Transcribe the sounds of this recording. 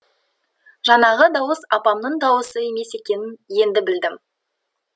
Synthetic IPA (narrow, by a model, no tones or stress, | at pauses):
ʒɑnɑʁəd̪ɑwəsɑpɑmnəɴd̪ɑwəsəe̞me̞se̞kʲe̞nɪnje̞nd̪ɪbɪld̪ɪm